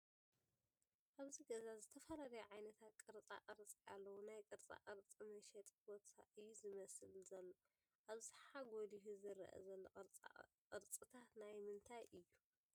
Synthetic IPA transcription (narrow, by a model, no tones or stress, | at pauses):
ʔaβziɡɐzazɨt̪ʰɐfɐlalɐjuʕajnɐt̪ʰat̪̚kʼɨɾt͡sʼa̰ʔʼɐɾt͡sʼialːɐwonajkʼɨɾt͡sʼa̰ʔʼɐɾt͡sʼimɐʃɛt̪ʼbot̪ʰa̰ʔɨjːuzɨmɐsɨlzɐlːo | ʔaβħaɡoliɦuzɨɾ̰ʔɐ̰zɐlːo̰ | qʼɨɾt͡sʼɨt̪ʰanajmɨnt̪ʰajʔɨjːu